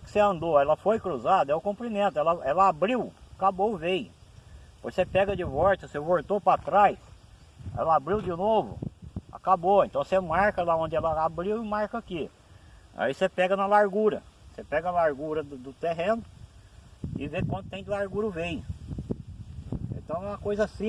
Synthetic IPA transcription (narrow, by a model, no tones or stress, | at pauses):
kɪ̥seɐ̃nd̪oɛlɐfojkɾuzad̪ɐɛʊkõmplimẽnt̪ʊɛlɐɛlɐabɾiwakaboʊvejʊpoɾsepɛɡɐd͡ʒɪvɔɾt̪ɐsevoɾt̪opɾat̪ɾajs | ɛ̰lɐabɾiwd͡ʒɪnovʊ̰a̰kaboẽnt̪ɐ̃w̃semaɾkɐlaõd͡ʒɪɛlɐabɾiwɪmaɾkaki | a̰isepɛɡɐnɐlaɾɡuɾɐ̰sepɛɡɐalaɾɡuɾɐd̪d̪ʊt̪eɦẽnʊ | ɪvekwɐ̃nt̪ʊ̥t̪ẽj̃d̪ʊlaɾɡuɾʊvejʊ | ḛ̃nt̪ɐ̃w̃ɛ̃ɐkojzɐsĩ